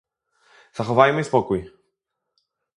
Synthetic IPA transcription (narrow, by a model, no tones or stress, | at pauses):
z̥axovajmɛispɔkuj